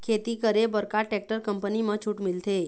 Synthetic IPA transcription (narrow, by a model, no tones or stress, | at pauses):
kʰet̪iːkəɾebəɾkaʈɛk̚ʈəɾkəmpənimət͡ɕʰuːʈmilt̪e